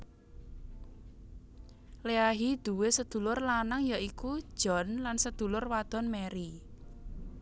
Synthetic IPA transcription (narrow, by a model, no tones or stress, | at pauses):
leaɦid̪̥ṳwesəd̪̥ṳlʊrlanaŋjaiku̥ʒ̥ɔ̤nlansəd̪̥ṳlʊrwad̪̥ɔ̤nmɛɾi